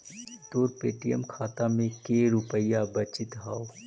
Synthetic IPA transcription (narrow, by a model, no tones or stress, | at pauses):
t̪oːɾpeːʈijəmkʰaːt̪amẽkeːɾʊpəjabɐt͡ʃɪt̪ɦaːo